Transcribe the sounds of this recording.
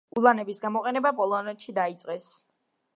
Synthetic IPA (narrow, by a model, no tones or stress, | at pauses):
ulˠanɛbisɡamɔqʼɛnɛbapʼɔlˠɔnɛt̪ʃid̪ait̪sʼqʼɛs